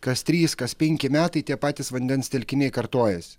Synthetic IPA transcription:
kɐst̪ʲɾʲiːskɐspʲɛŋʲkʲɪmʲæːt̪ɐɪt̪ʲiɛpɑːt̪ʲɪsʋɐnʲd̪ʲɛnst̪ʲɛlʲkʲɪnʲɛɪkɐɾt̪oːjɛsʲ

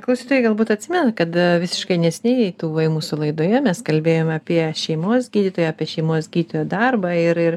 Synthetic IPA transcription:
klˠɐʊsʲiːt̪oːjɛɪɡɐlˠbuːt̪ɐt̪ʲsʲɪmʲɛnɐkɐt̪ʋʲɪsʲɪ̥ʃkɐɪnʲɛsʲnʲeɪjɛɪt̪uːʋɐɪmuːsʊlˠɐɪd̪oːjɛmʲɛskɐlʲbʲeːjoːmʲɑpʲiɛʃʲɛɪmoːsɡʲiːdʲɪt̪oːjɛaːpʲiɛʃʲɛɪmoːsɡʲiːd̪ʲɪt̪oːjoːd̪ɐrbɐːɪɾɪr

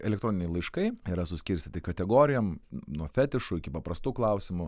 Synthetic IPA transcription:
ɛ̰lʲɛkt̪ɾoːnɪnʲɛɪlˠɐɪʃkɐɪiːɾɐsʊsʲkʲɪɾʲsʲt̪ʲɪt̪ʲɪkɐt̪ʲɛɡoːɾʲɪjɛmnuɔfʲæːt̪ʲɪʃʊɪkʲɪpɐpɾɐst̪uːklˠɐʊsʲɪmʊ

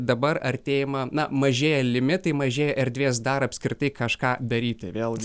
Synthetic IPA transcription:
d̪ɐbɐrɐɾʲt̪ʲeːjɪmɐnɐmɐʒʲeːjɛlʲɪmʲɪt̪ɐɪmɐʒʲeːjɛʔɛɾʲd̪ʲʋʲeːs̬d̪ɐɾɐpʲsʲkɾʲɪt̪ɐɪkɐʃkɑːd̪ɐɾʲiːt̪ʲɪʋʲeːlˠɡʲɪ

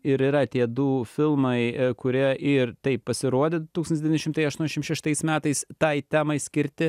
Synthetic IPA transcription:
ɪɾiɾɐt̪ʲiɛd̪uːfʲɪlˠmɐɪkʊɾʲiɛʔɪrt̪ɐɪppɐsʲɪɾuɔd̪ʲed̪t̪uːsɐnʲsd̪ʲʋʲɪnʲɛʃɪmt̪ɐɪɐʃt̪uɔnʲɛʃʲmʃʲɛʃt̪ɐɪsmʲæːt̪ɐɪst̪ɐɪt̪ʲæːmɐɪsʲkʲɪɾʲt̪ʲɪ

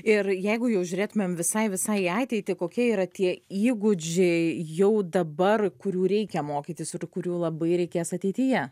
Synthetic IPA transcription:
ɪrjɛɪɡʊjɛʊʒʲʊɾʲeːt̪ʊmʲemʋʲɪsɐɪʋʲɪsɐɪɑːt̪ʲɛɪt̪ʲɪkoːkʲiɛiːɾɐt̪ʲiɛiːɡʊd͡ʒʲɛjɛʊd̪ɐbɐrkʊɾʲuːɾʲɛɪkʲɛmoːkʲiːt̪ʲɪsɪrkʊɾʲuːlˠɐbɐɪɾʲɛɪkʲeːsɐt̪ʲɛɪt̪ʲɪjɛ

